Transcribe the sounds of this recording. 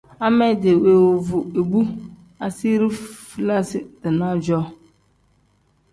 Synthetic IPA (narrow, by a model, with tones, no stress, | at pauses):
a˦mɛ˦˨de˨we˨wo˨vʊ˨e˨bu˦ | a˨si˦ɾi˦fi˦la˦sɪ˦dɪ˨nã˦d͡ʒɔ˦